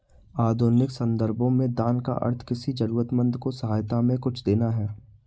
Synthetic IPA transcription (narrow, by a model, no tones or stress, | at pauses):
aːd̪ʱoːɾnɪksɐ̃nd̪əɾbõmẽd̪aːnka̰ʔɐ̰ɾt̪ʰkɪsid͡ʒɐɾuːɾət̪mə̃nd̪kosɐɦaːjt̪amẽkʊt͡ʃʰd̪eːnaɦɛː